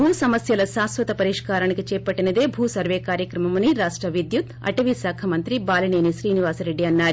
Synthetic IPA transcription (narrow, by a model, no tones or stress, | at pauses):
bʱuːsɐmɐsjɐlɐʃaːsʋɐt̪ɐpɐɾiːʂkaːɾaːnikit͡ʃɛːpɐʈːinɐd̪e̞ːbʱuːsɐɾʋeːkaːɾjɐkɾɐmɐmɐniɾaːʂʈɾɐʋid̪jut̪ɐ̰ʈɐʋisaːkʰɐmɐnt̪ɾibaːlineːniʃɾiːniʋaːsɐɾe̞ɖːiɐnːaːɾu